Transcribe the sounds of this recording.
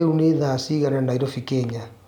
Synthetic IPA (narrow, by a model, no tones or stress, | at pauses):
uneðasiɣananaiɾɔfikɛɲa